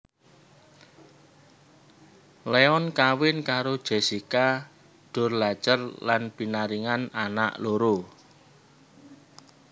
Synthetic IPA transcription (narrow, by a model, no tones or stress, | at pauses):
leɔnkawɪnkaɾod̥ʒ̥e̤sika | ɖ̥ʊ̤rlḁt͡ʃərlanpinaɾiŋanana̰ʔloɾo